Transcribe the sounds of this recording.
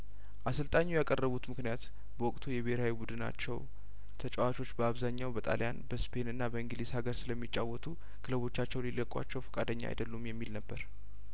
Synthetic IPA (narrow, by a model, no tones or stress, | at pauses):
ʔasɨlt̪ʼaɲːujakʼərːəβut̪mɨknijat̪ | bəwɔkʼt̪ʰujɛβehɾhawibud̪ɨna̰t͡ʃːɛw | t̪ʰət͡ʃʼɛwat͡ʃo̞t͡ʃːbəaβzaɲːawbət̪ʼa̰lʔija̰nbəspʰe̞nɨnːabəɨŋɡɨlishaɡəɾsɨləmːit͡ʃʼːawɔt̪ʰu | kʰɨləβo̞t͡ʃːat͡ʃːɛwnlilːəkʼwa̰t͡ʃːɛwfə̥kʼad̪əɲːa̰ʔa̰jd̪əlːumjɛmːilnəbːəɾ